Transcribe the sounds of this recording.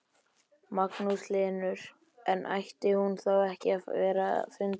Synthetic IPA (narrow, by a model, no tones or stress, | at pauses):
maknuslɪːnʏɾ̥ | ɛnʔa̰jht̪ɪhunθawɛhcɪavɛːɾa̰fɪnt̪